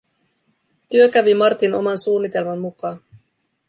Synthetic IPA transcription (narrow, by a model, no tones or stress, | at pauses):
t̪yøkæʋimɑrt̪ino̰mɑnsuːnːit̪e̞lmɑmːukɑːn